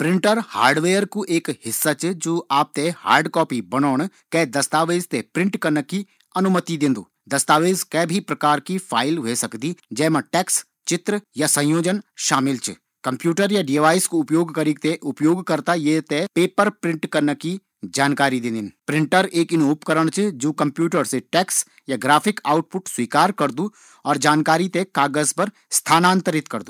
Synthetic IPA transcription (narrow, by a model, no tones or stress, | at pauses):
pɾɪ̃ɳʈəɾha̰ːɾɖʋeːjəɾkuʔeːkhɪsːat͡ʃd͡ʒoːʔaːp̚t̪eha̰ːɾɖkɔːpibɐnoːɳ̃ | kɛːd̪ɐst̪aːʋeːzt̪epɾɪ̃ɳʈkɐɾnəki | ɐnʊmət̪id̪ɪ̃nd̪ṵː | d̪ɐst̪aːʋeːzkɛbʱipɾɐkaːɾkipʰaːɪlʋesɐkd̪id͡ʒɛːmãʈɛːks | t͡ʃɪt̪ɾəjasɐ̃joːd͡ʒənʃaːmɪlt͡ʃə̰ | kɐ̃mpjuːʈəɾjaɖiʋaːɪskoʊpjoːɡkɐɾikt̪eʔʊpjoːɡkɐɾt̪ajet̪epeːpəɾpɾɪ̃ɳʈkɐɾnəki | d͡ʒaːnkaːɾid̪ɪ̃nd̪ɪnpɾɪ̃ɳʈəɾeːkɪnːpkəɾəɽ̃t͡ʃʰed͡ʒoːkɐ̃mpjuːʈəɾseʈɛːks | jaɡɾaːpʰɪkaːʊʈ̚pʊʈswiːkaːɾkɐɾd̪u | ɔːɾd͡ʒaːnkaːɾit̪ekaːɡəspɐɾ | st̪ʰaːnãːnt̪əɾɪt̪kɐɾd̪uː